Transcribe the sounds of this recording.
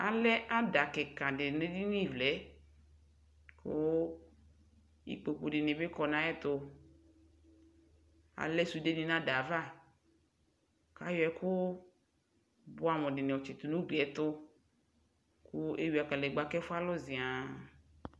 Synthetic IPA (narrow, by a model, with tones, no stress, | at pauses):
a˨lɛ˦ʔa˦da˨kɛ˨kã˨ɖe˨nẽ˦di˦n˦ĩ˦˨vlɛ˨˦ | ko˦ | ḭ˨k͡po˨k͡po˨ɖe˨nẽ˨be˦kɔ˨nã˦ɛ˦t̪o˦ | a̰˨lɛ˦su˨de˦nĩ˦nã˦da˨va˦˨ | ka˦jɔ˨˦ɛ˨˦kʊ˦ | bo˦a˨mɔ̃˨ɖɪ˨nẽ˨ɔ˨t͡ʃe˨t̪u˨nũ˦ɡ͡bɛ˨˦t̪ʊ˦ | ku˦e˦wi˨a˨kã˨le˨ɡ͡ba˨kɛ˦fo˦a˦lɔ˦zi˨a˨